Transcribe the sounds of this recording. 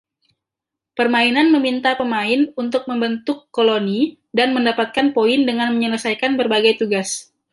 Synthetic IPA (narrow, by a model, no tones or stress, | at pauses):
pərmainanməmint̪apəmaɪnunt̪ʊk̚məmbənt̪ʊkːoloni | danməndapat̪̚kanpoɪndəŋanməɲələsajkanbərbaɡajt̪uɡas